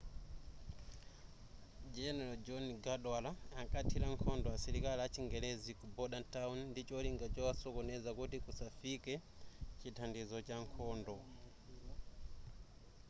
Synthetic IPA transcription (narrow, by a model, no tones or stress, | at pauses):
d͡ʒɛnɛlɔd͡ʒɔniɡaɗwalaaŋkatʰilaŋkʰɔndɔasiɾikaliat͡ʃiŋɡɛlɛzikubɔɗantaunndit͡ʃɔliŋɡat͡ʃɔwasɔkɔnɛzakutikusafikɛ | t͡ʃitʰandizɔt͡ʃaŋkʰɔːndɔ